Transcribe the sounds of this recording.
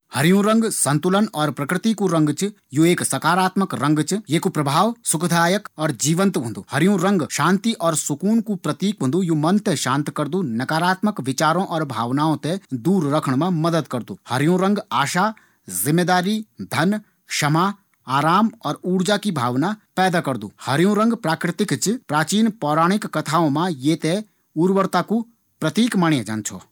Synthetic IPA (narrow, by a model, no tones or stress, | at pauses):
hɐɾɪjũɾɐ̃ŋɡsɐ̃nt̪ʊlənɔːɾpɾɐkɾɪt̪ikuɾɐ̃ŋɡt͡ʃ | jueːksɐkaːɾaːt̪məkɾɐ̃ŋɡt͡ʃjekupɾɐbʱaːʋsʊkd̪ʱaːjəkɔːɾd͡ʒiːʋə̃nt̪bʱʊ̃nd̪uːhɐɾjũɾɐ̃ŋɡʃãːnt̪iʔɔːɾsʊkuːnkupɾɐt̪iːk̚bʱũnd̪ujumɐnt̪eʃãːnt̪kɐɾd̪unɐkaːɾaːt̪məkʋɪt͡ʃaːɾõʔɔːɾbʱa̰ːʋnaːõt̪ẽd̪uːɾːɐkʰəɽ̃mãmɐd̪əd̪kɐɾd̪ṵːhɐɾjõɾə̃ŋɡaːʃa | zɪmːeːd̪aːɾid̪ʱɐn | ʃɐmaː | aːɾaːmɔːɾuːɾd͡ʒakibʱaːʋnapɛːd̪akɐɾd̪ṵːhɐɾjõɾə̃ŋɡpɾaːkɾɪt̪ɪkt͡ʃpɾaːt͡ʃiːnpɔːɾaːɽ̃ɪkːɐt̪ʰaːõmãjeːt̪e | uːɾʋəɾt̪aku | pɾɐt̪iːkmaːɳjãd͡ʒa̰ːnt͡ʃʰɔ̰ː